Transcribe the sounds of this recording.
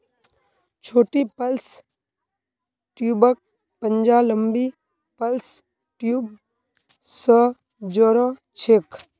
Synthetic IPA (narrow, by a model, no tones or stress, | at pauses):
t͡ʃʰoːʈipəls | ʈjuːbək̚ | pənd͡ʒaːləmbiː | pəls | ʈjuːb | sə | d͡ʒɔːɾɔ̃ | t͡ʃʰeːk